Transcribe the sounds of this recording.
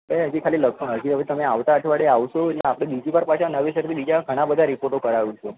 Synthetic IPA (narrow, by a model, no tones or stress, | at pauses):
beɦəd͡ʒikʰaliləkoɦəd͡ʒiɦəʋet̪əmeaʋt̪aəʈʰʋaɽeaʋʃoetleapɽ̃ebid͡ʒibəɾpat͡ʃʰanəʋisəɾt̪ʰibid͡ʒaɡʱəɽ̃abəd̪ʱaɾipoɾʈokəɾaʋũt͡ʃʰo